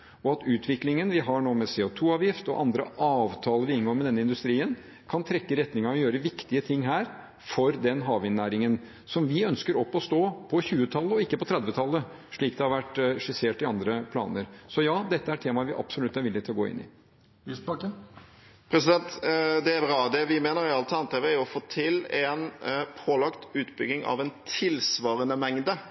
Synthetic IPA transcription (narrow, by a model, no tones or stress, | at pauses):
ɔɑt̪ʉːt̪ʰʋɪklɪŋənʋɪɦɑɳoːmɛseːɔt̪ʰuːɑːʋjɪft̪ɔ̰ʔɑnd̪ɾəʔɑːʋt̪ʰɑːləʋɪɪnɡoːɾmɛd̪ɛnːəɪnd̪ʉst̪ɾiːən | kʰɑnt̪ʰɾɛkːəɾɛt̪nɪŋɑɔjøːɾəʋɪkt̪ɪət̪ʰɪŋːɦæːɾ | fɔɾd̪ɛnɦɑːʋɪnːæːɾɪŋən | sɔmʋɪœnskəɾɔpːɔst̪oːpʰɔçʉːət̪ʰɑlːəɔɪkːəpɔt̪ʰɾɛd̪ʋət̪ʰɑlːə | ʂɭiːkd̪ɛhɑɾʋæʈːʂɪseːʈɪɑnd̪ɾəpʰlɑ̰ːnəɾsɔjɑːd̪ɛt̪ːəæʈʰeːmɑʋɪʔɑ̰psʊlʉt̪ːæɾʋɪlːɪɡ̚t̪ʰɪlɔɡo̰ːɪ̰nːɪ̰ | isbɑkən | pʰɾɛsɪd̪ɛnt̪d̪ɛæbɾɑːd̪ɛʋɪmeːnəɾɪɑlət̪ʰɑnt̪ɛʋɛjʊɔfoːt̪ʰɪlɛnpʰoːlɑkt̪ʉːt̪bʏɡnɪŋɑ̰ʋɛnt̪ʰɪlsʋɑːɾənəmɛŋd̪ə